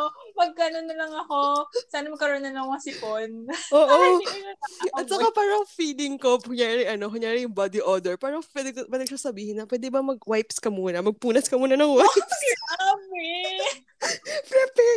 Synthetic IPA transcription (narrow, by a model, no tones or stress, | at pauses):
pɐɡ̚kɐnonːɐlɐŋɐkosaːnɐmɐɡ̚kɐɾonːɐnɐŋmɐsɪponʔoːʔo | ɐt̪̚sɐkapaːɾɐŋfiːlɪŋko̞ʊŋjaːɾɪʔɐno̞kʊŋjaːɾɪjʊŋbad̪ɪʔoːd̪ɛɹpaːɾɐŋpwɛd̪ɛkwɛːd̪ɛɡʃɐsɐbiːhɪnːɐpwɛd̪ɛbɐmɐɡ̚wajpskɐmuːnɐmɐɡ̚puːnɐskɐmuːnɐnɐŋwajpsɐbɛ | pɾɛpɛ